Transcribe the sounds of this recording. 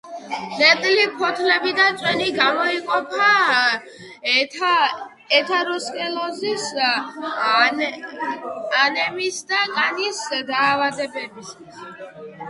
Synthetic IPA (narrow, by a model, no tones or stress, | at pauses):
nɛt̪ʼlipʰɔt̪ʰlɛbid̪at̪sʼwɛniɡamɔiqʼɔpʰa | ɛt̪ʰaɾɔskʼɛlˠɔzis | anɛmisd̪akʼanisd̪aːvad̪ɛbɛbis | s